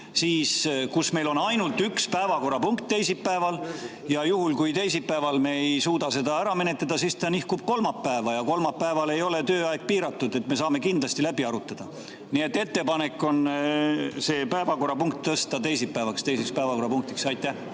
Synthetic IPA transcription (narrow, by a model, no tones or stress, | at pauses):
siːskusme̞jlo̞nɑjnult̪ːˑykspæevɑko̞rɑpuŋkt̪ːejsipːæe̞vɑl | jɑjuhulkujt̪e̞jsipːæevɑlme̞ejsuːd̪ɑse̞d̪ɑæɾɑme̞ne̞t̪ːˑɑd̪̥ɑsist̪ɑnihkub̥̚ko̞lmɑpːæevɑjɑko̞lmɑpːæevɑle̞jo̞le̞t̪øːɑeɡ̥̚piːɾɑt̪ːud̪e̞t̪me̞sɑːme̞kind̪̥lɑst̪ilæbiɑɾut̪ːˑɑd̪̥ɑ | nie̞t̪ːe̞t̪ːe̞pɑne̞kːˑo̞n | se̞ːpæevɑko̞rːɑpuŋk̚t̪ːɤst̪ɑt̪e̞jsipːæːvɑkst̪ejsekspæevɑko̞ɾɑpuŋk̚t̪iksɑjt̪ːˑæh